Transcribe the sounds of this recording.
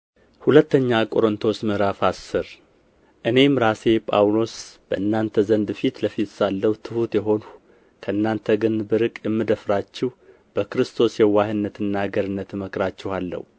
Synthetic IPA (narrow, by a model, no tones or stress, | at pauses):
hulət̪ːəɲːakʼo̞ɾɨnt̪ʰo̞smɨɾafasːɨɾ | ʔɨne̞mɾase̞pʼawlo̞sb̥əʔɨnːant̪ʰəzənd̪fit̪ləfit̪salːəwt̪ʰɨhut̪jɛɦo̞nu | kʰəɨnːant̪ʰəɡɨnbɨɾɨkʼjɛmːɨd̪əfɾat͡ʃːɛh | b̥əkɾɨst̪ʰo̞sjɛwahɨnːət̪ʰɨnːaɡəɾɨnːət̪məkʼɾat͡ʃːɛhalːə̰hu